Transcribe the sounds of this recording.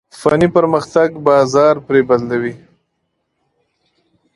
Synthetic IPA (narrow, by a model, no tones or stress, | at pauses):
fanipəɾməxt̪aɡbɑzɑɾpɾebad̪lawi